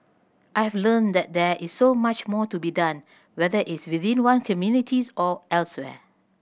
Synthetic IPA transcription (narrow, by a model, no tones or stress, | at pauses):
ʔajhɛvlə̃ndɛt̚dɛisːomat͡ʃmɔtubidãn | wɛðəʔɪtswiθĩnwãnkʰɔmjunitʰisɔɛlswɛ̰